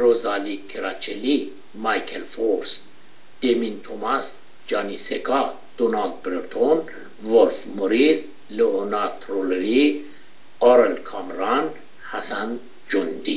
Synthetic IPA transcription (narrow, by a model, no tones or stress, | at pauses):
ɾozalikʰeɾɑt͡ʃʰeli | mɑjkʰelfoɾs | d̪̥emint̪ʰomas | d͡ʒɑːniseɡɑ | d̪̥onɑld̪̚bɾeɾt̪ʰon | volfmoɾiz | leonɑɾt̪ʰɾoleɾi | ɑɾelkʰɑmɾɑn | hæsæn | d͡ʒond̪i